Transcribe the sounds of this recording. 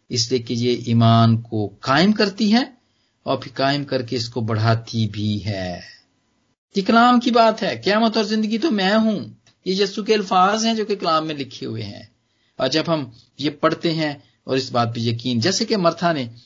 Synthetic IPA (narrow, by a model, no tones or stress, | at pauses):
ɪslijekejeʔiːmaːnkokaːɪmkɐɾt̪iɦɛ | ɔːɾpʰɪɾkaːɪmkɐɾkeɪskobɐɽ̤aːt̪ibʱiɦɛː | ɪklaːmkibaːt̪ɦɛːkjaːmət̪ɔːɾzɪ̃nd̪əɡit̪omɛ̃ɦũː | jejɐsukeɐlfaːzɦɛ̃d͡ʒoːkeɪklaːmːẽlɪkʰeɦʊḛɦɛ̰̃ː | ɔːɾd͡ʒɐbɦɐm | jepɐɽ̤t̪eɦɛ̃ | ɔ̰ːɾɪsbaːt̪̚pejɐkiːnd͡ʒɛːsekemɐɾt̪ʰane